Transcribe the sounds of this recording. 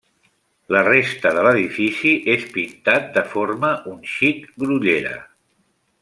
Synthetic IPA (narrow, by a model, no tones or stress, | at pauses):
lərest̪əðələðifisiʔespint̪at̪̚d̪əfoɾməʔunʃikɡɾuʎeɾə̰